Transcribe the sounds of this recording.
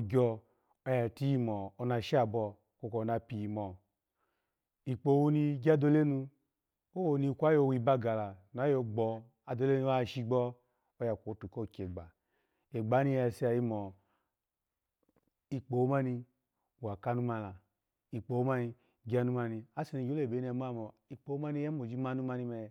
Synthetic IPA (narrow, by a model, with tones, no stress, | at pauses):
o˧ɡʲɔ˧ | ɔ˧˦ja˨ti˦ji˦˧mɔː˨˧na˧ʃi˦a˨bɔ˧ | ko˧ko˧˨˧na˧pi˨ji˨mɔ˨ | i˨k͡po˨˦wu˧ni˧ɡʲa˦do˧le˦nu˧ | o˦wo˧ni˧kʷa˨˦jo˧˨wi˧ba˦ɡa˨la˨na˨˦jo˧ɡ͡bɔ˧ | a˨do˧˦le˦nu˧˦a˦˧˨ʃi˧ɡ͡bɔ˦ | o˦ja˨kʷo˨˦tu˨ko˦˨ke˨ɡ͡ba˨ | e˨ɡ͡ba˨˦ni˧jɛ˧˨si˦a˨ji˦mɔ˨ | i˧k͡po˨wo˦ma˦ni˧˨ | wa˨ka˦nu˦ma˧˨la˨ | i˨k͡po˨wma˦ni˧ | ɡi˦a˧˦nu˦ma˧ni˧a˦si˧ni˧˨ɡo˦le˨be˨˦n˦ɛ˨˧˨m˦a˦˨mɔ˨i˨k͡po˨o˦ma˦ni˧˦ɛ˦mo˨d͡ʒi˦ma˦nu˦ma˧ni˧mɛ˧